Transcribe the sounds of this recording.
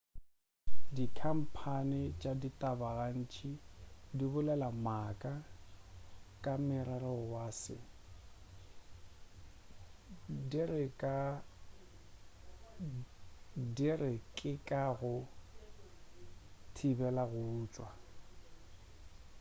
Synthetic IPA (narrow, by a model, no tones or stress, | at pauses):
dikʰam̩pʰanɪt͡ʃʼaditʼabaɣan̩t͡ʃʼʰidibʊlɛlamakʼa | kʼamɪrɛrɔwasɪ̰ | dirɪkʼa | dirɪkʼɪkʼaɣʊ | tʰibɛlaɣʊːt͡ʃʼwa